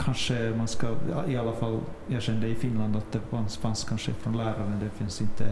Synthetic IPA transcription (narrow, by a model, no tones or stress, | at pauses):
kʰɑnʂəmɑnskɑjɑ̰ɪɑlːəfɑlːjæʃɛnːəd̪əɪfɪnlɑnd̪ɑt̪̚d̪ɛfɑnsfɑnskʰɑnʂəɪ̰fɾɔnlæːɾəmɛnd̪ɛfɪnsɪnt̪ʰːə